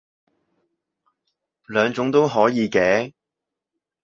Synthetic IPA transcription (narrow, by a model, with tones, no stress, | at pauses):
lœː˨˧ŋt͡sʊ˨˥ŋt̪o˥wɦɔː˨˥jiː˨˧kɛː˨˥